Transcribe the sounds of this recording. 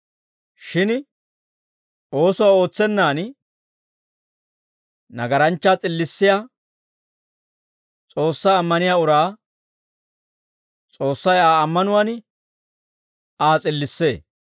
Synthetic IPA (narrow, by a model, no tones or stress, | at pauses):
ʃɪn | o̞ːsʊwaːo̞ːt͡sːɛnːaːn | nɐɡɐɾɐnt͡ʃːaːt͡sʼɪlːɪsːɪja | t͡sʼo̞ːsːaːmːɐnɪjaːʊɾaː | t͡sʼo̞ːsːɐjaːɐmːɐnʊwan | aːt͡sʼɪlːɪsːe̞ː